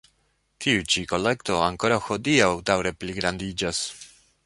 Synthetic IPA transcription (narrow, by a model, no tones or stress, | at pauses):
tʰiut͡ʃiko̞le̞kto̞aŋko̞ɾawxo̞diawdawɾe̞pliɡɾandid͡ʒas